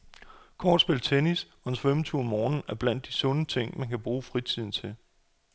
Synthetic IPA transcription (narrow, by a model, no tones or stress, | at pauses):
kʰɒːd̥sb̥e̝lt͡sʰenisɒ̽ensfemt͡sʰuːɒmːɒːnn̩æɐb̥læn̰d̥isɔ̽nət͡sʰe̝ŋ̰mænkʰæb̥ʁuːfʁit͡sʰið̰ˠn̩t͡sʰe̝l